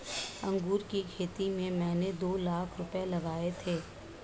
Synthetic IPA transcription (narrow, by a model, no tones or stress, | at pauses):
ɐ̃ŋɡuːɾkikʰeːt̪imẽmɛ̃ːned̪oːlaːkʰɾʊpelɐɡaːet̪ʰeː